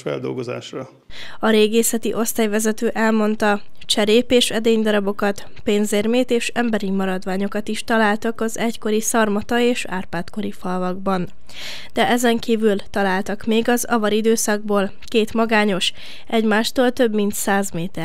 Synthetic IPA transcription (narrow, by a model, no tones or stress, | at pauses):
fɛ̰ld̪o̞̰lɡoza̰ːʃrɒ | ɒɾeːɡeːsɛt̪iʔo̞st̪aːjvɛzɛt̪øːʔɛlmo̞nt̪ɒ | t͡ʃɛɾeːpeːʃɛd̪eːɲd̪ɒɾɒbo̞kɒt̪ | peːnzeːrmeːt̪eːʃɛmbɛɾimɒɾɒd̪ʋaːɲo̞kɒt̪iʃt̪ɒlaːlt̪ɒkɒzɛcko̞ɾisɒrmɒt̪ɒeːʃa̰ːrpaːt̪ko̞ɾifɒlvɒɡ̚bɒn | d̪̥ɛʔɛzɛŋkiːvylt̪ɒlaːlt̪ɒkmeːɡɒzɒ̰vɒɾid̪øːsɒɡ̚boːl | keːt̪mɒɡaːɲo̞ʃ | ɛɟmaːʃt̪oːlt̪ø̞bmint̪saːzmeːt̪ɛ